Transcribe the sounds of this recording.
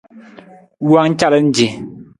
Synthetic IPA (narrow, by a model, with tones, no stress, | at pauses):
wa˦ŋ̩˦t͡ʃa˦lə˦n̩˦d͡ʒe˨